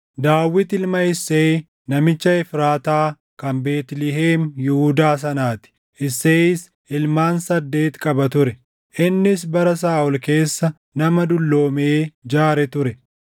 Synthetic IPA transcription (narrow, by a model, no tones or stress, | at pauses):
d̪aːwːɪt̪ɪlmɐɪsːeː | nɐmɪt͡ʃːɐɪfɾaːt̪aː | kɐmbe̞ːt̪lɪɦeːmjɪhʊd̪aːs̬ɐnaːt̪ɪ̥ | ʔɪsːeːɪs | ɪlmaːnsɐd̪ːe̞ːt̪kʼɐbɐt̪ʊɾɛ | ʔɪnːɪs̬bɐɾɐs̬aːʔɔlke̞ːsːɐ | nɐmɐd̪ʊlːo̞ːmeːd͡ʒaːɾɛt̪ʊɾɛ